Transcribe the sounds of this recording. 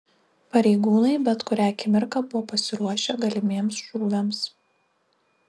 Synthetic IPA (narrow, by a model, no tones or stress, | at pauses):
pɐɾʲɛɪɡuːnɐɪbʲɛt̪kʊɾʲæːkʲɪmʲɪɾkɑbʊʋɔːpɐsʲɪɾuɔʃʲɛɡɐlʲɪmʲeːmsʒuːʋʲɛms